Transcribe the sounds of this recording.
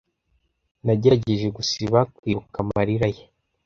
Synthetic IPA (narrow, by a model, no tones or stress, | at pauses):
naɟeɟeʒe̞ɡusiβakwiːβukamaɾiɾaje